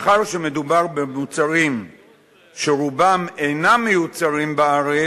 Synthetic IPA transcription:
χaʁʃeme̞dubaʁbemut͡saʁim | ʃeʁubamejnamːejut͡saʁimbaaʁe

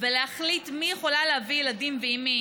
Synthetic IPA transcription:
veleaχlitmijeχolalehavijeladimbeimi

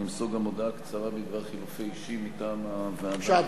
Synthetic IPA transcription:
imsoɡamod̪akt͡saʁabiɡvaʁχilufeiʃimit̪aːmaveadʃ

